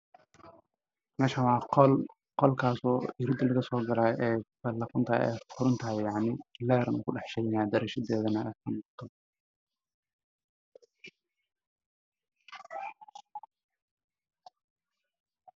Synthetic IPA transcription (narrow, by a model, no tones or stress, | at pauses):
mɛːʃɐwɑːl | qɔlkʰaːsɔːɪɾɪd̪ɪlɐɣɐsɔːɡɐlaːʔɛːfɐlɐqɔnt̪ʰɐ̰ɛ̰ːfʊɾʊnt̪ʰɐɦɪjjɑʕnɪlɛːɾɐnʊkʰʊɖɑħʃɛjnaːd̪ɐɾɛːʃɐd̪ɛːðɐnɐʔɛːkʰɐnʊːqt̪ʰɔ